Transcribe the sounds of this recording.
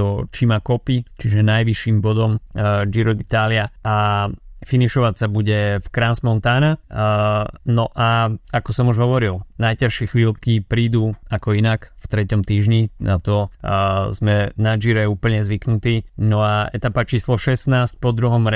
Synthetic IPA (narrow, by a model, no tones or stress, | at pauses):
ɔt͡ʃimakɔpit͡ʃiʒɛnajʋiʃiːmbɔd̪ɔmd͡ʒiɾɔd̪it̪aːliaa | finiʃɔʋacsabuɟɛfkɾansmɔnt̪ana | nɔʔaakɔsɔmuʒɦɔʋɔɾilnajcaʃɪɛxʋiːlkipɾiːd̪uːakɔinakft̪ɾɛcɔmt̪iːʒɲina̰t̪ɔ | zmɛnad͡ʒiɾɛuːpl̩ɲɛzʋiknut̪iːnɔaɛt̪apat͡ʃiːslɔʃɛsnaːsc̚pɔd̪ɾuɦɔmɾɛ